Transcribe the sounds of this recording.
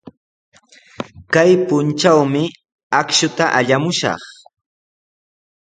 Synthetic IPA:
kajpʊnt͡ʃawmɪ | akʃʊt̪aʔaʎamʊʃɑ̰χ

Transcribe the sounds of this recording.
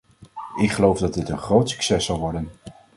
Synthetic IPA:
ɪkχəlowvdɑdɪtənχrowtsy̥ksɛsɑlˠʋɔɹdən

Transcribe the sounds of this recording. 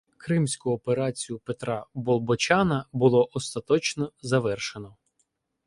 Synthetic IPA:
kɾɪmsʲkʊɔpeɾɑt͡sʲijʊpet̪ɾɑbɔlˠbɔt͡ʃɑnɐbʊlˠɔʔɔst̪ɐt̪ɔt͡ʃnɔzɐʋɛrʃenɔ

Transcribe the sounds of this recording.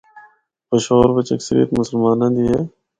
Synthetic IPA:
pəʃoːɾbət͡ʃə̰ksəɾḭjət̪mʊsəlmaːnãːd̪iːɦeː

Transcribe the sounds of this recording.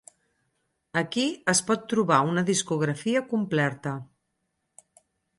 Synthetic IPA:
əkiəspɔt̪ːɾuβaunəðiskuɣ̞ɾəfiəkumplɛɾt̪ə

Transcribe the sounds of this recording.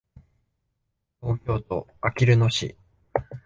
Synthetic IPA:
t̪o̞ːkʲo̞ːt̪o̞akʲiɾɯ̟no̞ɕḭ

